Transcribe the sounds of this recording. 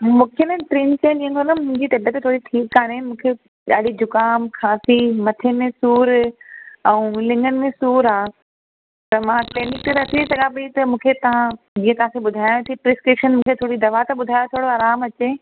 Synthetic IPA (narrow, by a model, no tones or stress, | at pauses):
mũːkʰeenɐʈɾiːnsẽɗĩːə̃ŋkonɐmʊ̃ɪ̃ɲd͡ʑit̪ɐbət̪t̪ʰoːɽiʈʰiːkːaːɽemũːkʰe | ɗaːɽ̤id͡ʑʱʊkaːmkʰaːsimɐt̪ʰemẽsuːɾ | ɛũːlɪ̃ŋɡənɪ̆mẽsuːɾaː | t̪ɐmãklɛːnɪk̚ʈɾɐt̪ʰisɐɠãbit̪ɐmũːkʰet̪ɐʋ̤ã | d͡ʑiːə̃t̪ɐʋ̤ãkeɓʊd̪ʱaːjõt̪ʰipɾɪskɾɪpʃənmũːkʰet̪ʰoːɽid̪ɐʋat̪ɐɓʊd̪ʱaːjot̪ʰoːɽoaːɾaːmɐt͡ɕeː